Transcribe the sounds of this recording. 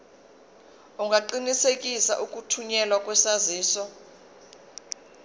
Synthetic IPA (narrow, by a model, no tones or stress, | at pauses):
uŋɡʱaǃinisek̬ʼisa̰ʔuk̬ʼutʰuɲɛlwak̬ʼwɛsaziːsɔ